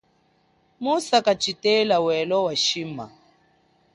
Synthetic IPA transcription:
musakat͡ʃitɛlawɛlɔwaʃima̰

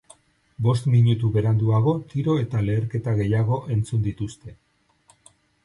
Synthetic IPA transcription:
bo̞s̬t̪miɲut̪uβe̞ɾand̪uaɣ̞o̞t̪iɾo̞e̞t̪ale̞ːɾke̞t̪aɣe̞jaɣ̞o̞ʔe̞nt͡sund̪it̪ust̪e̞

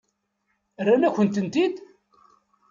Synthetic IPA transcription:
rːanæçənt̪ənt̪id̪

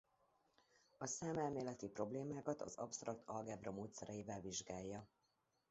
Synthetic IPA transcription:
ɒsaːmɛlmeːlɛt̪ipro̞bleːmaːkɒt̪ɒ̰zɒ̰pst̪rɒkt̪ʰɒlɡaːbrɒmoːt̪sɛɾʔɛjivɛlviʒɡaːjːɒ

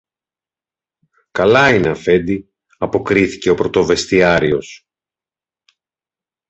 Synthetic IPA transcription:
kɐlɐineɐfe̞nd̪i | ɐpo̞kɾiθi̥ce̞o̞pɾo̞t̪o̞ve̞st̪iɐɾio̞s

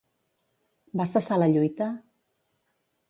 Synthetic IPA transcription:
basasalaʎujt̪a

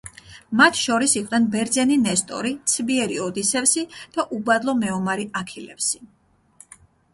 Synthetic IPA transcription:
mat̪ʰʃɔɾisiqʼnɛnbɛɾd̪zɛninɛst̪ʼɔ̰ɾit̪sʰbiɛɾiɔd̪isɛfsid̪̥aʔubad̪lˠɔmɛɔmaɾiakʰilɛ̰psi̥

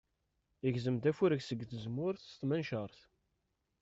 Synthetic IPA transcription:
əʝzəmt̪æfuɾəçsəɡːθəzmʊɾθst̪mænʃəɾˤθ

